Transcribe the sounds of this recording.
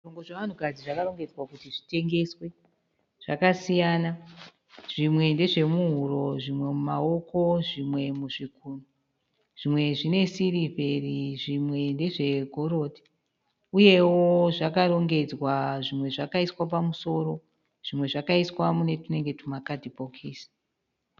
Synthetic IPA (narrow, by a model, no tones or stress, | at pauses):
oŋɡoʐeʋan̤ukad͡ziʐakaɾo̞ŋɡe̞d͡zwakutiʐite̞ŋɡe̞swe̞ | ʐ̥a̰kasijana | ʐ̥imwe̞nde̞ʐe̞muɦuɾo̞ʐimwe̞mumao̞ko̞ʐimwe̞muʐikunu | ʐ̥imwe̞ʐine̞sirivʱe̞riʐimwe̞nde̞ʐe̞ɡʱo̞ɾo̞di̥ | uje̞woʐakaɾo̞ŋɡe̞d͡zwaʐimwe̞ʐakaiswap̬amuso̞ːɾo̞ | ʐ̥imwe̞ʐakaiswamune̞tune̞ŋɡe̞tumakadʱipokʰiːsi̥